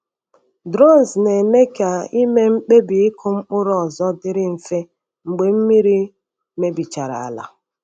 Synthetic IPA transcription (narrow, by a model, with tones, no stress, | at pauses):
dɾɔ˦˨n˨sne˨me˦ka˨i˦me˦ŋ͡m̩˦k͡pe˦bi˨ɪ˦kʰʊ˦ŋ͡m̩˦k͡pʊ˦ɾɔ˨zɔ˦dɪ˦ɾɪ˦m̩˨fe˦ | ŋ͡m̩˨ɡ͡be˨m̩˦mi˦ɾi˦ | me˦bi˨t͡ʃa˨ɾa̰˨a̰˨la̰˨